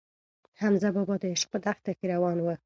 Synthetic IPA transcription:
hamzabɔbɔd̪əɪʃqʊd̪axt̪akiɾawɑnwə

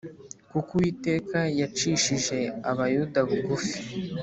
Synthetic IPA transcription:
kukuwiːte̞ːkajat͡ʃiʃiʒe̞aβajudaβuɡufi̥

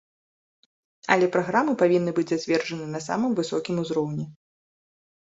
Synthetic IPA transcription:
ɐ̰lʲɛpɾaɣɾamɨpavʲinːɨbɨd͡zʲzad͡zʲvʲɛrʐɐnɨnɐsa̰mɨmvɨsɔkʲimuzɾɔwnʲɛ

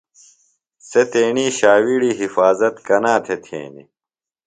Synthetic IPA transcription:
set̪eːɳiːɕaːwiɽiːɦifaːzɐt̪kɐnãːt̪ʰet̪ʰḛ̃ːnḭ

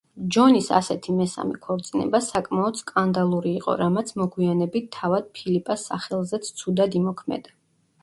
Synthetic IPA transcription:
d͡ʒɔnisa̰sɛt̪ʰimɛsa̰mɛkʰɔɾt̪sʼinɛ̰basakʼmaɔd̪skʼand̪alˠuɾiːqʼɔ̰ɾamat̪sʰmɔɡwianɛbit̪ʰːavad̪̥̚pʰilipʼasːa̰χɛlˠzɛt̪sʰt̪sʰud̪ad̪imɔkʰmɛ̰d̪a

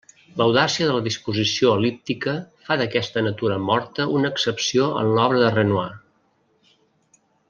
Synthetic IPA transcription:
ləwðasiəðələðispuzisioəlip̚t̪ikəfaðəkɛst̪ənət̪uɾəmɔɾt̪əunəːksəpsioʔə̰nlɔβɾəðərənua

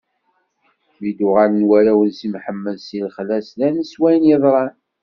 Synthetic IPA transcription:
mid̪ʊʁalənwæɾæwənsimħəmːəlsilχlæslænəswæjənjəðˤɾˤɑn

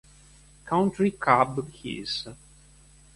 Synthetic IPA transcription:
kʰãw̃ntɹikʰabhḭz

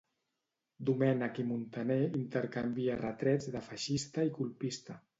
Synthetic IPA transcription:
d̪umɛnakimunt̪aneint̪əɾkambiarət̪ɾɛd͡zðəfaʃist̪aikulˠpist̪a

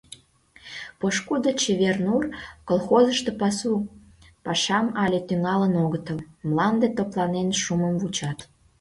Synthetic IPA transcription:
poʃkud̪ət͡ɕeβernurkolxozəʃt̪opɑsu | pɑʃɑmɑlʲet̪yŋɑlənoɣət̪əmmlɑnd̪et̪oplɑnenʃuməmvut͡ɕɑt̪

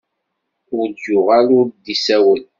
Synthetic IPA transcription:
ʊɾd͡ʒːʊʁalʊɾd̪isæwən

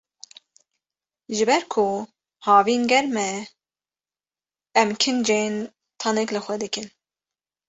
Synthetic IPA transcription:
ʒɨbɛɾkʰʊ | hɑːviːnɡɛɾmɛ | ɛmkʰɨnd͡ʒeːn | t̪ʰɑnɛklɨxʷɛd̪ɨkɨn

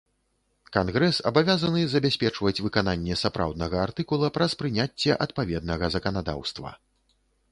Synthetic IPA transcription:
kanɣɾɛsɐ̰bavʲazɐnɨzɐbʲasʲpʲɛt͡ʂvɐt͡sʲvɨkananʲːɛsapɾʔa̰wd̪nɐɣɐart̪ɨkulˠɐpɾɐspɾɨnʲat͡sʲːɛʔɐt̪̚pavʲɛd̪̚nɐɣɐzɐkɐnad̪a̰wst̪vɐ̰

